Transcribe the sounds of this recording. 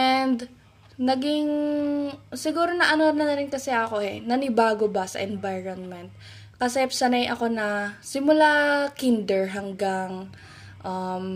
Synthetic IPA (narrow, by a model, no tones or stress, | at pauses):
ʔɛnd̪ | nɐɡɪŋ | sɪɡuːɾo̞nɐʔɐnonɐnɐɾɪnkɐsɛʔɐko̞ʔɛnɐnɪbaːɡo̞bɐsɐ̰ʔɛnvajɹonmɛnt̪̚ | kɐsɛpsɐnajʔɐko̞nɐsɪmʊlakind̪ɛɹɦɐŋɡaŋ | ʔɐm